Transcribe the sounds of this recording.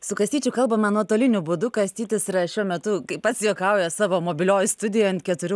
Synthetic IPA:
sʊkɐsʲt̪ʲiːt͡ʃʲʊkɐlˠbɐmɐnuɔt̪oːlʲɪnʲʊbʊd̪ʊkɐsʲt̪ʲiːt̪ʲɪsɪɾɐʃʲuɔmʲɛt̪ʊkɐɪpɐt̪sʲjoːkɐʊjɛsɑːʋoːmoːbʲɪlʲoːjst̪ʊd̪ʲɪjːɐnt̪ʲkʲɛt̪ʊɾʲʊ

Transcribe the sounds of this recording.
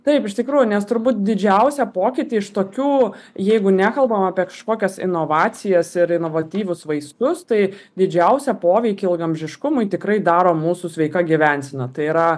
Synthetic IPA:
t̪ɐɪpɪʃt̪ʲɪkɾuːjʊnʲɛst̪ʊɾbuːt̪̚d̪ʲɪd͡ʒʲɛʊsʲɛpoːkʲɪt̪ʲiːɪʃt̪oːkʲuːjɛɪɡʊnʲæːkɐlˠbɐmɑːpʲiɛkɐ̥ʃkoːkʲɛsɪ̰noːʋɑːt͡s̪ʲɪjɛsɪɾɪnoːʋɐt̪ʲiːʋʲʊsʋɐɪskʊst̪ɐɪd̪ʲɪd͡ʒʲɛʊsʲɛpoːʋʲɛɪkʲɪɪlˠɡɐmʲʒʲɪʃkʊmʊɪt̪ʲɪkɾɐɪd̪ɑːɾoːmuːsʊsʲʋʲɛɪkɐɡʲiʋʲænʲsʲɪnɐt̪ɐɪiɾɐ

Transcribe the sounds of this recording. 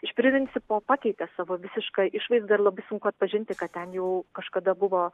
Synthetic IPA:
ɪʃʲpʲɾʲɪmʲɪnʲsʲɪpoːpɑːkʲɛɪt̪ʲeːsɑːʋoːʋʲɪsʲɪʃkɑʔɪʃʋɐɪsd̪ɐrlˠɐbɐɪsʊŋkʊɐt̪pɐʒʲɪnʲt̪ʲɪkɐt̪tʲɛnjɛʊkɐʃkɐd̪ɐbʊʋoː

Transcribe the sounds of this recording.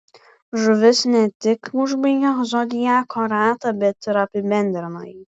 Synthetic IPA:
ʒʊʋʲɪsnʲɛt̪ʲɪkʊʒbɐɡʲɐzɔd̪ʲɪjaːkʰɔɾaːt̪ɐbʲɛt̪ɪɾɐpʲɪbʲɛnʲd̪ʲɾʲɪmɐj

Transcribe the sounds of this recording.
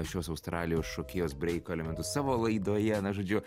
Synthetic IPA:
ʃʲoːsɐʊst̪ɾʔɑːlʲɪjoːsʃoːkʲeːjoːsbʲɾʲɛɪkoːɛlʲɛmʲɛnt̪ʊssɑːʋoːlˠɐɪd̪oːjɛɐnɐʒoːd͡ʒʲʊ

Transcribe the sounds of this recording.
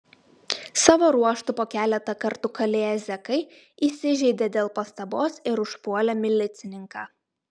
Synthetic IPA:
sɑːʋoːɾuɔʃt̪ʊpoːkʲæːlʲɛt̪ɐkɐɾt̪ʊkɐlʲeːjɛzʲɛkɐɪ | iːsʲɪʒʲɛɪd̪ʲed̪ʲeːlˠpɐst̪ɐboːsɪɾʊʃpuɔlʲɛmʲɪlʲɪt̪sʲɪnʲɪŋkɑː

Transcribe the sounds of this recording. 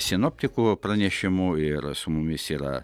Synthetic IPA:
sʲɪnoːpʲt̪ʲɪkuprɐnʲɛʃʲɪmuːɪɾsʊmʊmʲɪsiːɾɐ̰

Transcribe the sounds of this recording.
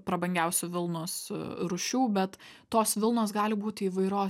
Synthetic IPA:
pɾɐbɐŋʲɡʲɛʊsʲʊʋʲɪlˠnʊsɾʊʃʲuːbʲɛt̪ | t̪oːsʋʲɪlˠnoːsɡɑːlʲɪbuːt̪ʲɪiːʋɐɪɾoː

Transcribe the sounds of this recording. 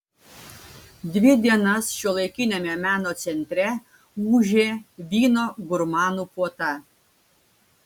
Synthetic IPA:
d̪ʲʋʲɪd̪ʲiɛnɐsʃʲuɔlˠɐɪkʲɪnʲɛmʲɛmʲæːnoːt̪sʲɛnʲt̪ʲɾʲɛ | uːʒʲeːʋʲiːnoːɡʊɾmɑːnuːpuɔt̪ɐ

